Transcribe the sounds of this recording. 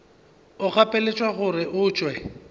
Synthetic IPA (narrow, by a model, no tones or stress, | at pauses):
ʊχapʼelet͡ʃʼwaɣʊrɪʔʊːt͡ʃʼwɛ